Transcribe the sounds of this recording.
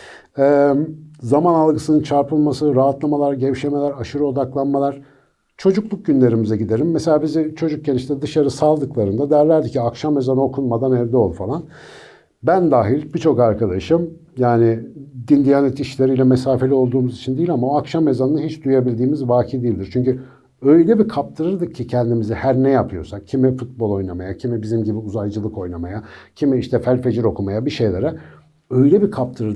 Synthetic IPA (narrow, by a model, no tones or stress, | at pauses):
ɛ | zamanalˠɡɯsɯnɯnt͡ʃʰaɾpɯlˠmasɯɾaɦat̪lˠamalˠaɾɟevʃe̞me̞lʲæɾaʃɯɾɯo̞d̪aklˠanmalˠaɾ̥ | t͡ʃʰo̞d͡ʒuklˠuk̚ɟynlʲe̞ɾimizɛɟid̪e̞ɾʲimːɛse̞lʲaːbizit͡ʃʰo̞d͡ʒuk̚ɟeniʃinɛd̪ɯʃaɾɯsalˠd̪ɯklˠaɾɯnd̪ad̪æɾlʲæɾd̪icʰiakʃamːe̞zano̞kʰunmad̪anɛvd̪ɛo̞lˠfalˠan | bænd̪aːɦilʲbit͡ʃʰo̞kaɾkad̪aʃɯm | jaːnɪd̪ind̪ijanɛt̪iʃlʲeɾijlʲɛmesaːfeio̞lˠd̪uːmuzit͡ʃʰind̪ijilʲamaoakʃamːe̞zanɯnɦit͡ʃd̪ujebilʲd̪iːmizvaːcʰid̪ijilʲd̪iɾt͡ʃʰyɲcy | ø̞jlʲɛbikʰap̚t̪ʰɯɾɯɾd̪ɯk̚cʰːicʰɛnd̪imizihæɾnɛjapʰɯjo̞sak̚cʰimifut̪̚bolˠo̞jnamajacʰimibizimɟibiuzajd͡ʒɯlˠɯko̞jnamajacʰimiiʃt̪ʰɛfælʲfe̞d͡ʒiɾo̞kʰumajabiʃejlʲeɾɛ | øjlʲɛbikʰap̚t̪ʰɯɾɯɾ